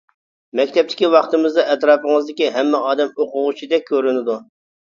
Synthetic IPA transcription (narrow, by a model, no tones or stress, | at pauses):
mɛkʲt̪ʰɛp̚t̪ʰɪ̥kʲiwɑχt̪ɨmɨzd̪ɑʔɛt̪ɾɑːpəŋɨzd̪ɪkʲiɦɛmːɛɑːd̪ɛmoqʊʁut͡ʃʰid̪ɛk̚ʲkʰʲːøɾynɪd̪u